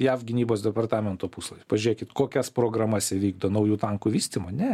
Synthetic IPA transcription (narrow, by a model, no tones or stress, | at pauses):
jæːfɡʲɪnʲiːboːsd̪ʲɛpɐrt̪ɑːmʲɛnt̪oːpuːslˠɐpɐʒʲʊɾʲeːkʲɪt̪koːkʲɛspɾoːɡɾɐmɐsʲɛʋʲiːɡd̪oːnɐʊjuːt̪ɑŋkuːʋʲiːsʲt̪ʲɪmoːnʲɛ